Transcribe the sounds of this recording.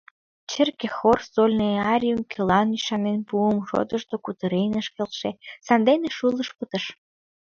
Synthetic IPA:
t͡ɕərkexorsolʲneɑɾʲjumkʲʰelɑnyʃɑnenpuəmʃo̰d̪əʃt̪okut̪əɾejnəʃkelʃesɑnd̪eneʃulˠəʃpət̪ə̆ʃ

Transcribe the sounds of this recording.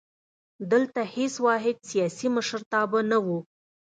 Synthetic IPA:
d̪əlt̪aheswɑɦɪd̪sijɑsiməʃəɾt̪ɑbənawu

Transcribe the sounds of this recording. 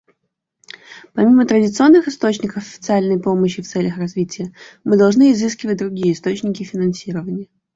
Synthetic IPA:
pɐmʲimət̪ɾədʲɪt̪sɨo̞nːɨxɨst̪o̞t͡ɕnʲɪkəfɐfʲɪ̥t̪sɨalʲnəjpo̞məɕːɪft̪sɛlʲəxrɐzvʲitʲɪjəmɨd̪ɐlˠʐnɨɪzɨskʲɪvət̚ʲd̪ɾʊɡʲijəɪst̪o̞t͡ɕnʲɪkʲɪfʲɪnɐnsʲiɾəvənʲɪjə

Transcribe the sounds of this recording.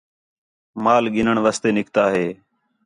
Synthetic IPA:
maːlɠɪnəɳʋaːst̪eːnɪkt̪aːɦeː

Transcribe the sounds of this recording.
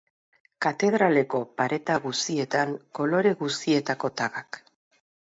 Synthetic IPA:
kat̪e̞ðɾale̞ko̞paɾe̞t̪aɣust̪ie̞t̪aŋko̞lo̞ɾe̞ɣust̪ie̞t̪ako̞t̪aɣak

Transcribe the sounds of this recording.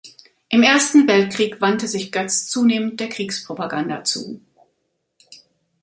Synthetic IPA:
ʔɪmʔeːɐstn̩vɛlt̚kʁ̥iːkv̥antəzɪçɡ̥œt͡st͡suːneːmənt̚d̥eːɐkʁ̥iːkspʁ̥opaɡanda̰t͡sṵː

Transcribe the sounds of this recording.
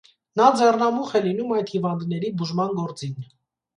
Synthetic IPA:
nɑd͡zɛrnɑmuχɛlinumɑjd̪hivɑnd̪nɛɾibuʒmɑnɡɔɾt͡sin

